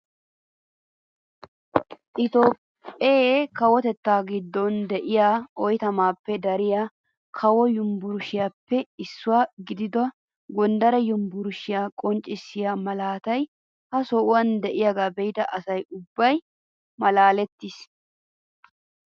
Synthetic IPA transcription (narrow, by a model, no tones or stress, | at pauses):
ʔɪt̪oːpʼːekɐwɔt̪ɛt̪ːaːɡɪd̪ːɔnd̪ɛʔɪjaːɔjt̪ɐmaːpːɛd̪ɐɾɪjaː | kʰɐwɔjʊmbʊɾʊʃɪjaːpːɛɪsːʊwaːɡɪd̪ɪd̪ɔ | ɡɔnd̪ɐɾɐjʊmbʊɾʊʃɪjaːkʼɔnt͡ʃʼːɪsːɪjaːmɐlaːt̪ɐj | hɐsɔʔʊwɐnd̪ɛʔɪjaɡaːbɛjɪd̪ɐʔɐsɐjʊbːɐj | mɐlaːlɛt̪ːis